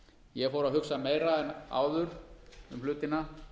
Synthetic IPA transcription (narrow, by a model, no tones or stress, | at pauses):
jɛɣfowɾaðɦʏksameːjɾaɛna̰ːwðʏɾʏ̰mhlʏːt̪ɪna